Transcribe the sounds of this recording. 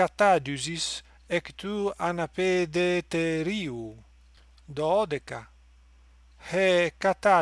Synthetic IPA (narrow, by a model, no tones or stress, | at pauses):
at̪ad͡ʒuzis | ekt̪uanaped̪et̪eɾiu | d̪ɔɔd̪eka | hekat̪a